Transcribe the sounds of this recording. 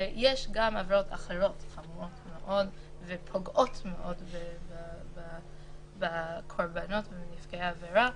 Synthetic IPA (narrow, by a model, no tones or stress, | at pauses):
jeʃɡamaveɾotʰa̰χeɾo̞tχamotmeʔo̞dvepʰoɡʔo̞tmeʔo̞dbebba | bakʰoɾbano̞tvemnifkejaːveɾa